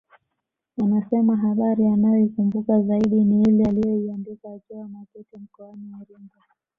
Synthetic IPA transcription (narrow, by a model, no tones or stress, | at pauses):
anasɛmaɦaɓaɾianajɔikumbukazaiɗiniilɛalijɔiandikaːkiwamakutim̩kɔaniwaɾiŋɡa